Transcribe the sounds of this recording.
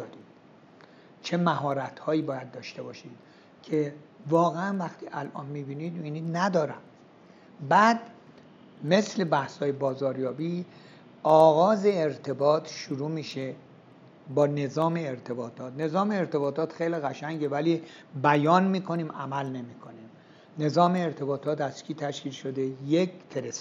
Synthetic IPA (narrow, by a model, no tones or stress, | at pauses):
did̥ | t͡ʃʰe̞mæɦɒːɾæt̪hɒːiːbɒːjæd̪ːɒːʃt̪e̞bɒːʃid̪̥ | cʰevɒːɣeænvæxt̪ʰiːʔælʔɒ̰ːnmibiːniːd̪miniːd̪næd̪ɒːɾæ̰m | bæd̪ | me̞sle̞bæhshɒːjebɒːzɒːɾjɒːbiː | ɒːɣɒːze̞ːɾt̪ʰe̞bɒːt̪ʰʃuɾuːmiːʃe | bɒːne̞zɒːmeːɾt̪ʰe̞bɒːt̪ʰɒːt̪ne̞zɒːmeːɾt̪e̞bɒːt̪ʰɒːt̪xejliɣæʃæŋɡevæliː | bæjɒːnmiːkʰo̞niːmʔæmælne̞miːkʰo̞nim | ne̞zɒːmeːɾt̪ʰe̞bɒːt̪ʰɒːt̪æskʰiːt̪ʰæʃkiːlʃod̪e̞jekfeɾes